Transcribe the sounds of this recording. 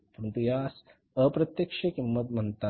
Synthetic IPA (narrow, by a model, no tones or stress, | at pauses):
pəɾənt̪ujaːs | əpɾɐt̪jəkʂɐkimːət̪m̤ənt̪a